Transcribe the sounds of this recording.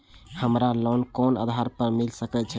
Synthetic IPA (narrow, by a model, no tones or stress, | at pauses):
həmɾalɔnkɔnə̰d̪ʱaɾpəɾmilsəkɛt͡ʃʰɛ